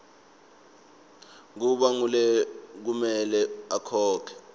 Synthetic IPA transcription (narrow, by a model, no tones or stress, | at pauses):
k̬uɓaŋulɛk̬umɛlɛakʰɔːkʰɛ̥